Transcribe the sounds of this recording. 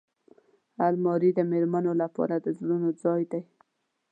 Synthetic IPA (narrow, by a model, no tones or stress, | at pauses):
almɑɾid̪əmeɾmanolapɑ̰ɾad̪əzɽunod͡zɑjd̪aj